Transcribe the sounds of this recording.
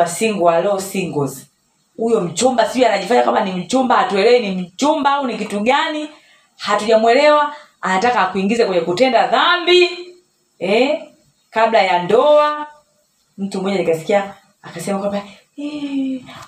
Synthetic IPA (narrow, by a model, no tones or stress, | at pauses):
asiŋɡualɔsiŋɡɔzi | hujɔm̩t͡ʃumbasiuianaʄifaɲakwamanim̩t͡ʃumbahatuɛlɛwinim̩t͡ʃumbaaunikituɡani | hatuʄamwɛlɛwa | anatakakuiŋɡizɛkwɛɲɛkutɛndaðambi | ɛ | kablajandɔa | m̩tumɔɟalikasi̥kiaː | kasɛmakwamba | ɛ